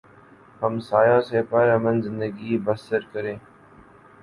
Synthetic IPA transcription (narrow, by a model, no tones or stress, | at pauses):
hɐmsaːjaːsepəɾɐmənzɪ̃nd̪əɡiːbɐsəɾkəɾẽː